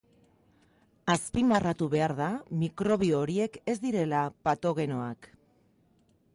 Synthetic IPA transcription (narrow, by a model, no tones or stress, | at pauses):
aspimarat̪uβe̞aɾðamikɾo̞β̞ioːɾie̞ke̞zd̪iɾe̞lapat̪o̞ɣ̞e̞no̞ak